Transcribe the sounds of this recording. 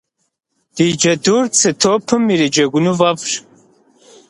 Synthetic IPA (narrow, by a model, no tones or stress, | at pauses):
d̥id͡ʒɐdurt͡sʰɨtʰoːpʰɨmiɾid͡ʒɐɡʷʊnuvɐpʂ